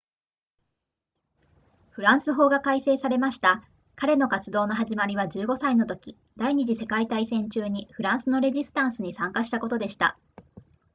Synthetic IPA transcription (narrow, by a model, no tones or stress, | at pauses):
ɸɯ̟ɾãɰ̃sɨɦo̞ːɡakaise̞ːsaɾe̞maɕi̥t̪a | kaɾe̞no̞kat͡sɨd̪o̞ːno̞ɦaʑimaɾʲiβ̞aʑɨːɡo̞saino̞t̪o̞kʲi | d̪aiɲ̟iʑise̞kait̪aisẽ̞ɲ̟t͡ɕɨːɲ̟iɸɯ̟ɾãɰ̃sɨno̞ɾe̞ʑisɨ̥t̪ãɰ̃sɨɲ̟isãŋkaɕi̥t̪ako̞t̪o̞d̪e̞ɕi̥t̪a̰